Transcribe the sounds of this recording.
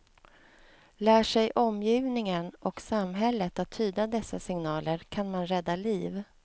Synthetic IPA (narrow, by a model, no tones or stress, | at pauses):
læːʂɛjʔɔmjyːvnɪŋənɔksamɦɛlːət̪at̪ʰːyːd̪ad̪ɛsːasɪŋnɑːləɾkʰanmanɾɛd̪ːaliːv